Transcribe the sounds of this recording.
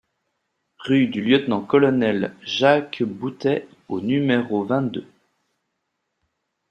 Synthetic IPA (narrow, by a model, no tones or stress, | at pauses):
ʁyd̪yljət̪nɑ̃kɔlɔnɛlʒakbut̪ɛ | onymeʁovɛ̃t̪̚d̪ø